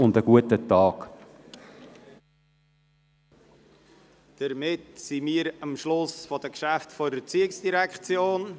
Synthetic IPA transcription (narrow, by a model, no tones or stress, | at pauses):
ʊndəɡuətətɑːk | d̥əɾmɪtsimiːəɾəmʃlʊsfɔd̥əkʃæftfɔɾət͡siɪksd̥iɾɛkχt͡sjoːn